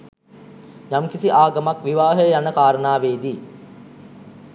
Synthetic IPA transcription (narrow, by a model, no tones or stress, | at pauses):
ɲamkisiʔaːɡamakʋiʋaːɦəjjanəkaːɾənaːʋeːd̪iː